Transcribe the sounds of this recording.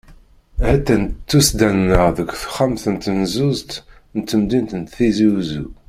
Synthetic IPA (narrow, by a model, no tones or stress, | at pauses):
hæt̪ːænt̪ːusd̪ænːəʁðəkʷːθχamθənt̪nzuzt̪nt̪ːəmd̪int̪nt̪θiziwzu